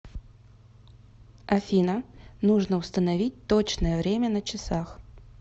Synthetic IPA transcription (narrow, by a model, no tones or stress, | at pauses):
ɐfʲinənuʐnəʊst̪ənɐvʲit̚ʲt̪ot͡ɕnəjəvɾʲemʲənət͡ɕɪsax